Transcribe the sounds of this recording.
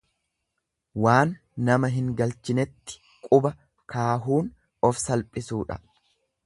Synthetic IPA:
waːnː | ɐmɐɦɪŋɡɐlt͡ʃɪnɛt̪ːɪ̥ | kʼʊbɐ | kaːɦuːn | ɔfsɐlpʼɪsuːᶑɐ̰

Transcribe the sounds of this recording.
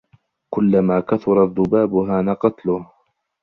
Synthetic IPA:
kʊlːamaːkaθʊɾˤɑðˤːʊbaːbʊɦaːnaqɑt̪lʊh

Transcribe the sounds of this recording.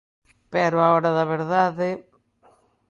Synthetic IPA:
pɛɾʊaoɾɐðɐβeɾðaðɪ

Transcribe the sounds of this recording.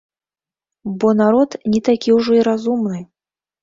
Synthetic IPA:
bɔnaɾɔt̪nʲit̪akʲiwʐɔiɾazumnɨ

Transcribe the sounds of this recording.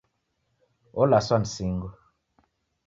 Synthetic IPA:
olaswansiŋɡu

